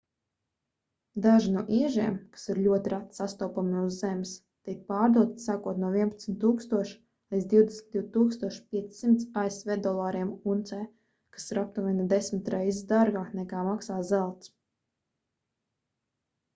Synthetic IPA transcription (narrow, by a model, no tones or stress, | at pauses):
d̪aʒinuɔʔiɛʒiɛmkḁsiɾlʲuɔt̪iɾat̪sast̪ɔwpamiuzːɛms | t̪ikt̪̚paːɾd̪uɔt̪saːkuɔt̪nuɔviɛnpḁt̪smʲt̪ːuːkst̪uɔʃ | lizd̪ʲiwd̪esnʲtd̪ʲiwt̪uːkst̪uɔʃpʲiɛssimt̪saesvɛːd̪ɔlˠaːɾiɛmunt̪sɛː | kḁsiɾap̚t̪uvʲinad̪ɛsmɪt̪ɾɛjzid̪aɾɡaːknɛkaːmaksaːzɛlˠt̪s